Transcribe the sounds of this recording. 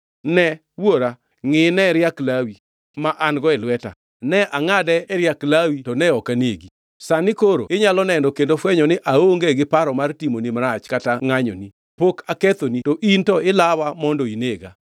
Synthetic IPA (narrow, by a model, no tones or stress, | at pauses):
nɛ | woɾa | ŋɪnɛɾjaklawi | maʔanɡɔɛlwɛta̰ | nɛʔaŋadɛːɾjaklawitɔnɛɔkaneɡi | sanɪkoɾo̰ɪɲalɔnɛndɔkendofwɛɲɔnɪʔaoŋɡeɡɪpaɾɔmartimonimɾat͡ʃkataŋaɲɔ̰ni | pokaket̪onitɔʔintɔɪlawamɔndɔineɡa̰